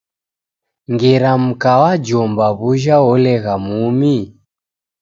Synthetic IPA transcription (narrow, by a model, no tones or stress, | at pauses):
ŋɡɛɾam̩kawad͡ʒɔmbaβuʒaɔlɛɣamumi